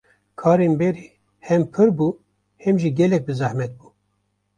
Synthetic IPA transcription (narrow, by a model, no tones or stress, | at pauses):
kʰɑːɾenbɛɾiː | hɛmpʰɨɾbuː | hɛmʒiɡɛlɛk̚bɨzæhmɛt̪̚buː